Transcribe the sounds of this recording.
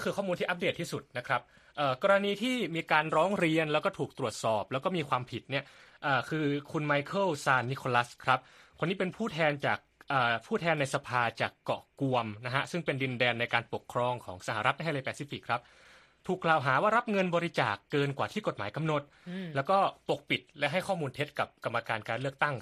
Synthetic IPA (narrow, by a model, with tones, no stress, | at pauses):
kkʰɯː˧kʰɔː˥˩mu˧nt̪iː˥˩ʔa˦p̚de˨˩t̪ʰːiː˥˩su˨˩t̪̚na˦˥kʰɾa˦˥p̚ | ʔɤː˨˩kɔː˧ɾa˧niː˧t̪ʰiː˥˩miː˧kaː˧nɾɔː˦˥ŋɾi˧ənlɛ˦˥wkɔː˥˩t̪ʰuː˨˩k̚t̪ɾu˨˩ət̪̚sɔː˨˩p̚lɛ˦˥wkɔː˥˩miː˧kʰwaː˧mpʰi˨˩t̪̚ni˥˩ɐ | ʔaː˨˩kʰɯː˧kʰu˧nma˦˥jkʰɤ˥˩wsaː˧nːi˦˥kʰo˧la˦˥skʰɾa˦˥p̚ | kʰo˧nːiː˦˥pe˧npʰuː˥˩t̪ʰɛː˧nt͡ɕaː˨˩k̚ʔɤː˨˩pʰuː˥˩t̪ʰɛː˧nːa˧jsa˧pʰaː˧t͡ɕaː˨˩kːɔ̰˨˩ku˧əmna˦˥ɦa˦˥sɯ˥˩ŋpe˧ndi˧ndɛː˧nːa˧jkaː˧npo˨˩kʰːɾɔː˧ŋkʰɔː˩˦ŋsa˧haː˨˦ɾa˦˥t̪̚a˧le˧jpɛː˧˩si˧˦˩fi˨˩kʰɾa˦˥p̚ | t̪ʰuː˨˩klaː˨˩wɦaː˩˦waː˥˩ɾa˦˥p̚ŋɤ˧nbɔː˧ɾi˦˥t͡ɕaː˨˩kːɤː˧nkwaː˨˩t̪ʰiː˥˩ko˨˩t̪̚maː˩˦jka˧mno˨˩t̪̚lɛː˦˥wkɔː˥˩po˨˩k̚pi˨˩t̪̚lɛ˦˥ʔɦa˥˩jkʰɔː˥˩muː˧nt̪ʰe˦˥t̪̚ka˨˩p̚ka˧mːa˧kaː˧nkaː˧nlɯ˥˩ək̚t̪a˥˩ŋ